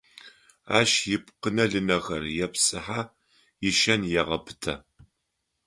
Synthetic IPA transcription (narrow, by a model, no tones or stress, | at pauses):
a̰ːʃjɪp̚qənɐɮɨnɐɣɐrjɛpsʼɨħaː | jɪʃɐnjɛʁɐpʰɨ̥tʰɐ